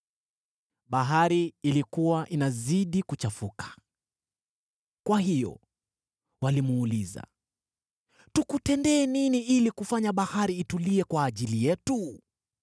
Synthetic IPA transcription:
ɓaɦaɾiːlikuwaʔinaziɗikut͡ʃafukʰḁ | kwaɦijɔ̰ | walimuːliza̰ | tukutɛndɛːniniʔilikufaɲaɓahaɾiːtuliɛkwaːʄilijɛtu

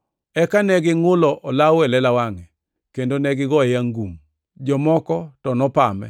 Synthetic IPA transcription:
ɛkanɛɡɪŋʊlɔʔɔlawɛlɛlawaŋɛ | kendonɛɡɪɡɔɛjaŋɡum | d͡ʒɔmɔkɔtɔnɔpamɛ̰

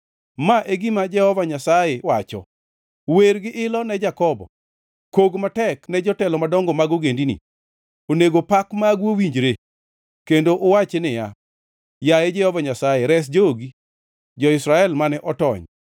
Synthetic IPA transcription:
maʔeɡimad͡ʒɛhɔvaɲasajewat͡ʃɔ̰ | weɾɡɪʔɪlɔnɛd͡ʒakɔbɔ̰ | koɡmatɛknɛd͡ʒɔtɛlɔmadɔŋɡɔmaɡoɡendinḭ | oneɡopakmaɡwowiɲd͡ʒɾe | kendoʔowat͡ʃenɪja̰ | jajed͡ʒɛhɔvaɲasajeɾɛs̬d͡ʒoɡi | d͡ʒɔɪsɾaɛlmanɛʔɔtɔ̰ɲ

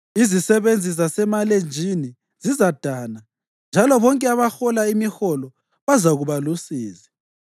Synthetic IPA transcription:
izisɛβend͡zʱis̬asɛmalend͡ʒʱini | z̥izad̥ʱaːna | nd͡ʒʱalɔβɔŋkʼɛaβaxɔlaimixɔlɔ | βazaɣuβalusiːzi̥

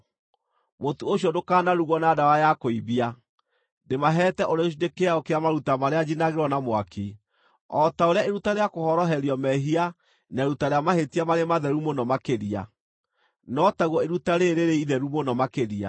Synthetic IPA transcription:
motooɕjɔdokaːnaɾuɣɔnadawajakoiβia | demaɦɛːtɛʔoɾeoɕ̬idekeaɔkeamaɾutamaɾead͡ʒinaɣeɾwɔnamoakʰi | ɔtaoɾeaeɾutaɾeakohɔɾɔɦɛɾiɔmɛɦia | naeɾutaɾeamahetiamaɾemaðɛɾumonɔmakeɾia̰ | nɔtaɣwɔeɾutaɾeɾeɾeiðɛɾumonɔmakeɾia̰

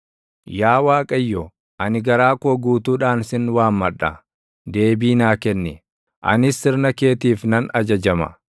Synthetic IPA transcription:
jaːwaːkʼɐjːɔ | ʔɐnɪɡɐɾaːkoːɡuːt̪uːᶑaːnsɪnwaːmːɐᶑɐ̰ | d̪e̞ːbiːnaːkɛnːɪ | ʔɐ̰nɪsːɪɾnɐke̞ːt̪iːfnɐnɐd͡ʒɐd͡ʒɐmɐ̰

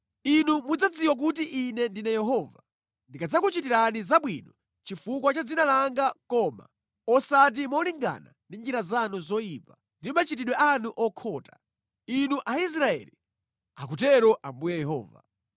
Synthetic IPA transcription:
inumud͡zad͡ziwak̬ut̬iʔinɛndinɛjɛɦɔva̰ | ndikad͡zakut͡ʃitiɾanizaɓwinɔ | t͡ʃifukwat͡ʃad͡zinalaŋɡakɔma̰ | ɔsat̬imɔliŋɡa̰na̰ndind͡ʒiɾazanuzɔjiːpa | ndimat͡ʃitiɗwɛʔanuʔɔkʰɔːtḁ | inuʔais̬ɾaɛ̰li | a̰k̬utɛɾɔʔambujɛjɛɦɔ̰ːva̰

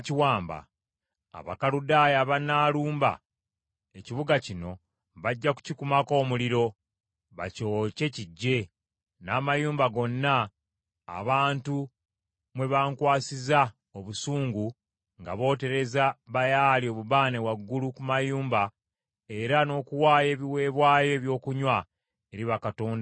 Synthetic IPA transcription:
ciwaːmba̰ | a̰βa̰kaludaːjaβanaːluːmba̰ | eciβuɡacino̞ | βaɟːaku̥cikumako̞ːmuliɾo̞ | βa̰co̞ce̞ciɟːe̞ | naːmajuːmbaɡo̞nːa̰ː | βaːntu | mwe̞βaːŋkwaːsiza | oβusuːŋɡu | ŋɡa̰βo̞ːte̞ɾe̞zaβajalio̞ːβuβaːne̞waɡːulukumajuːmba | e̞ɾano̞ːkuwaːje̞ːβiwe̞ːβwaːjo̞βjo̞ːkuɲwa | e̞ɾiβakato̞ːnda

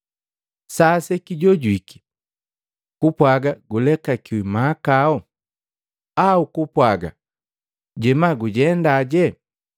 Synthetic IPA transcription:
sasɛkiɟɔɟwiki̥ | kupwaɡaɡulɛkakiwimaːkaɔ | aukupwaɡa̰ | ɟɛmaɡuɟɛndaɟɛ

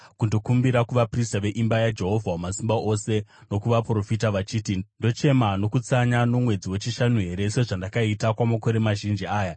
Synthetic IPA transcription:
kundo̞kumbiɾakuʋapristaʋe̞ʔimbajad͡ʒe̞ɦo̞vʱawamasimbaʔo̞se̞no̞kuʋapro̞fitaʋat͡ʃiːtindo̞t͡ʃe̞mano̞kut͡saɲano̞mwe̞d͡ziwe̞t͡ʃiʃanuɦe̞ɾe̞se̞ʐandakaitakwamako̞ɾe̞maʒind͡ʒiaːja

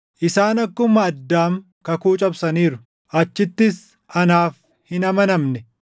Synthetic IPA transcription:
ʔɪsaːnɐkːʊmɐːd̪ːaːm | kɐkuːt͡ʃʼɐbsɐniːɾʊ | ʔɐt͡ʃːɪt̪ːɪs | ɐnaːf | hɪnɐmɐnɐmnɛ

